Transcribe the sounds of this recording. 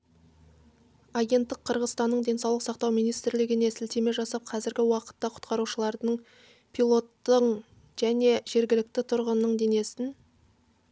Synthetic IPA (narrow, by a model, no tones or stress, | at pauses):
ɑɡʲe̞nt̪ːɪqʰːəɾʁəzt̪ɑnːəɴd̪ʲe̞nsɑwlˠəqsɑqt̪ɑwmijnijst̪ɾlɪɡʲɪne̞sɪlt̪e̞me̞ʒɑsɑp̚qʰɑzɪɾɡʲɪwɑqə̥t̪ːɑqʰʊ̥t̪qɑɾuʃəlˠɑɾd̪əɴ | pʰilˠo̞t̪ːəɴ | ʒ̥æne̞ʒe̞ɾɡʲɪlɪk̚t̪ɪt̪ʰʊɾʁənːəɴd̪e̞ne̞sɪn